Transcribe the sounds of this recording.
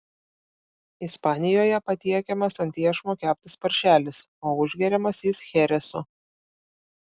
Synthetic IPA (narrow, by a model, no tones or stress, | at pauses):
ɪspɑːnʲɪjoːjɛpɐt̪ʲiɛkʲɛmɐsɐnʲt̪ʲiɛʃmuːkʲæːpʲt̪ʲɪspɐɾʲʃʲæːlʲɪsoːʊʒʲɡʲɛɾʲɛmɐsʲiːsxʲɛɾʲɛsʊ